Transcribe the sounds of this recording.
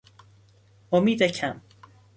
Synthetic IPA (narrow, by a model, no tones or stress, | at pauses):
omiːd̪æcʰæm